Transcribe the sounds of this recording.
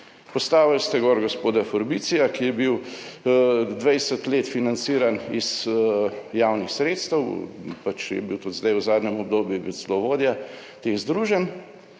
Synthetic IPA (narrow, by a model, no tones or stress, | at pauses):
pɔst̪aːʋalst̪ɛɡɔːɾɡospoːd̪afɔɾbit̪sijakijɛbiw | d̪ʋɛjsət̪leːt̪finant̪siːɾaniz | jaːwnixsɾeːt̪st̪əwpat͡ʃjɛ̰biwt̪ut̪zd̪ajzaːd̪nɛmɔb̚d̪oːbjujɛbizlɔʋoːd̪ja | t̪eɣzd̪ɾuːʒɛn